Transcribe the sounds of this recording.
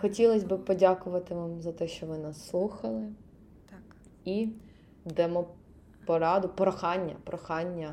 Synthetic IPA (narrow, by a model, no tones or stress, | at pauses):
xɔtʲilˠɐsʲbɪpɔdʲakʊʋɐt̪ɪʋɑmzɐt̪ɛʃt͡ʃɔʋɪnasːlˠuxɐlˠɪ | i | d̪ɛmɔ | pɔɾɑd̪ʊpɾɔxɑnʲːɐ̰pɾɔxɑnʲːɐ